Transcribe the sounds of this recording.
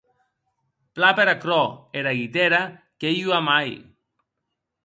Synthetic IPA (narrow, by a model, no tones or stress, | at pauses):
plapeɾakɾɔeɾaɣit̪eɾa | kejuamaj